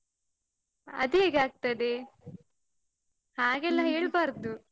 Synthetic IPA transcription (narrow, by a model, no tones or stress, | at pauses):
ɐ̰d̪eːɡaːɡ̚t̪ɐɽe | haːɡɛlːɐɦeːɭbaːɾɐd̪u